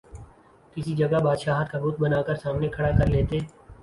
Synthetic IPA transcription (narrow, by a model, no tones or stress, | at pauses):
kɪsid͡ʒɐɡabaːd̪ʃaːɦt̪̚kabʊt̪̚bɐnaːkəɾsaːmnekʰɐɽakɐɾleːt̪e